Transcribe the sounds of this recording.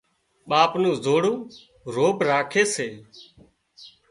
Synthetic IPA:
ɓaːpnũːzoːɽũː | ɾoːpɾaːkʰeːseː

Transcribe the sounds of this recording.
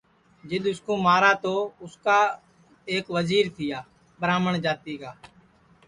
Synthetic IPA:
d͡ʒɪɗ̪ʊskõːmaːɾaːt̪oːʊskaː | eːkʋəziːɾt̪ʰɪjaː | ɓəɾaːməɳd͡ʒaːt̪iːkaː

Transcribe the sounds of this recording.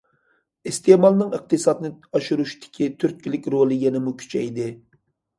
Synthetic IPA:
ist̪emɑlˠnɨŋɨq̚t̪ɨsɑd̪nɨɑʃuɾuʃt̪ʰɪ̥kʲʰit̪ʰyɾt̪̚kʲilɪkʲɾolˠɨjɛnɪmukʲʰy̥t͡ʃʰɛjd̪ɪ

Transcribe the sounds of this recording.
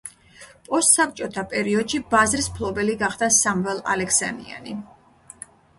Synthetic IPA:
pʼɔst̪sap̚t͡ʃʼɔt̪ʰapʼɛɾiɔd̪ʃibazɾismpʰlˠɔbɛliɡaχd̪̥asamvɛlˠa̰lɛkʰsa̰mḭa̰ni

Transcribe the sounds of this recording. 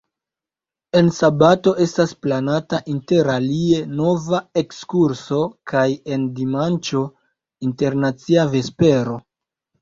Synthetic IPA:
e̞nsabato̞ʔe̞stasplanataʔinte̞ɾalie̞no̞vae̞kskuɾso̞kaje̞ndimant͡ʃo̞ | inte̞ɾnat͡siave̞spe̞ɾo̞

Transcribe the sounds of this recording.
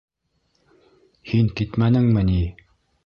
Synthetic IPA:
hinket̪manəŋməni

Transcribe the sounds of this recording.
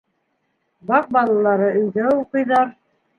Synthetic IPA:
bɑq̚bɑlˠɑlˠɑɾɤɵ̆jɡæuqɤ̆jðɑɾ

